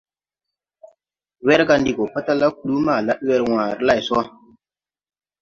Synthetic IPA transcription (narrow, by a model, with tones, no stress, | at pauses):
we˦ɾɡa˨˦ndi˨ɡo˨pa˦ta˦la˦ku˨lu˦ma˦˨la˦ɗwe˦ɾwã˨ɾla˦˨so˦